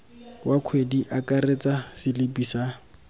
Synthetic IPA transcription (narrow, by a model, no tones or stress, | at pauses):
wakʰwediʔakʼaret͡sʼasɪlɪpisa